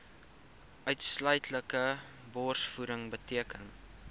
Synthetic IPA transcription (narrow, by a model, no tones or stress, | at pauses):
ʔœɥtslœɥtʰləkə | bɔːrsfuɾəŋbətiəkən